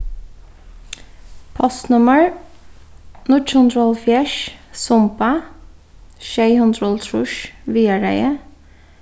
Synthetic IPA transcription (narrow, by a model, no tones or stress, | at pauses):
pʰɑsnʉməɹ | nʊt͡ʃhɔnt̪ʰɾɔlfjɛʃsʊmpə | ʃeɪhʊnt̪ʰɾɔlt̪ʰɾʊʃʋiːəɹæ̰ɪə